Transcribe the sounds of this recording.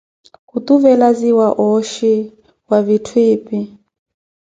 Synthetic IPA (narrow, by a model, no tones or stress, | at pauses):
hut̪uvɛlaziwaʔɔʃi | wavitʰwiːpʼi